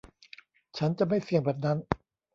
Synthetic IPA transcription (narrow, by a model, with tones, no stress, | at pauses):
t͡ɕʰa˦˥nt͡ɕa˨˩ma˥˩jsi˨˩əbɛː˨˩t̪̚na˦˥n